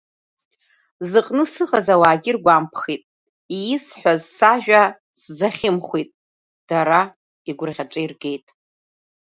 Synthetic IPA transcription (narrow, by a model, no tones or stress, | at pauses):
zɨqʼnɨsɨqʼazawaːɡʲɪrɡʷampʰχitʼ | ijɪsħʷᶣazsaʒᶣa | sd͡zaχʲɪmχʷijtʼ | d̥aɾa | iɡʷʊrʁʲaʈ͡ʂʷʼairɡe̞jtʼ